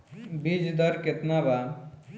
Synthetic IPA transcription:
bid͡ʒd̪ʌɾket̪naba

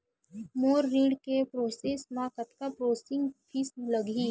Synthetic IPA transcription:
moːɾːĩːɖkepɾoːseːsmãkət̪kapɾoːsɪ̃ŋɡpʰisləɡiː

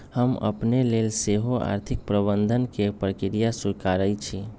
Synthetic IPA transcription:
həmə̰pnelelseɦoa̰ɾt̪ʰik̚pɾəbənd̪ʱənkepɾəkiɾijasuɾkaɾəjt͡ʃʰi

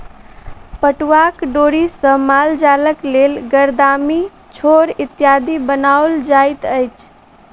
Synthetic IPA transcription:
pəʈwakɖoɾisə̃mald͡ʒaləklelɡəɾd̪ami | t͡ʃʰoɾit̪jad̪ibənaold͡ʒajt̪əjt͡ʃʰ

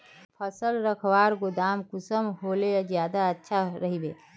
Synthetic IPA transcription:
pʰəsəlɾəkʰwaːɾɡod̪aːmkʊsəmɦoːled͡ʒjaːd̪aətːʃʰaɾəɦibe

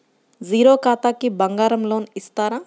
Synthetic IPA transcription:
ziːɾoːkaːt̪aːkibɐŋɡaːɾɐmloːnist̪aːɾaː

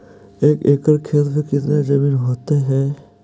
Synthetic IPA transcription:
eːkeːkəɾkʰeːt̪pekɪt̪ned͡ʒɐmiːnɦoːt̪eɦɛː

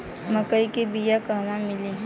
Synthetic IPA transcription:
məkəikebijakaːmãmɪli

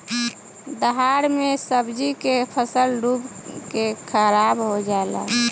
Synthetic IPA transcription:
d̪əɦaɾmesəbd͡ʒikepʰəsəlɾubkekʰəɾabɦod͡ʒala̰

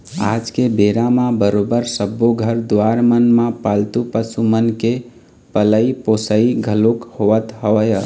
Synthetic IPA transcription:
a̰d͡ʒkebeɾamãbəɾobəɾsəbːoɡʱəɾd̪oaɾmənmãpalt̪upəsumənke | pələiposəiɡʱəlokhoʋət̪ɦəʋəjə

